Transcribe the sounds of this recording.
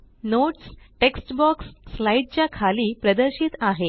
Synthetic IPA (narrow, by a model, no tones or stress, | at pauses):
noʈsʈeksʈbɔksːlaiʈ̚t͡ɕjakʰaliːpɾəd̪əɾɕiːt̪aɦe